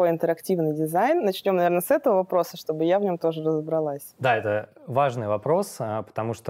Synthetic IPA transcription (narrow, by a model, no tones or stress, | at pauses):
o̞jɪnt̪əɾɐktʲivnɨjdʲɪzajnːɐt͡ɕnʲo̞mnɐvʲernəsɛt̪əvəvɐpɾo̞səʂt̪obɨjavnʲo̞mt̪o̞ʐɨrəzəbɾɐlˠasʲd̪aɛt̪əvaʐnɨjvɐpɾo̞səpə̥t̪ɐmuʂt̪o